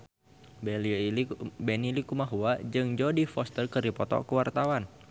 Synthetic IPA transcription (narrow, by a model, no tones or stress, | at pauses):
bel | bɛnilikumaɦuad͡ʒɨŋd͡ʒodifɔst̪ərkəripɔt̪ɔ̰kəwart̪awan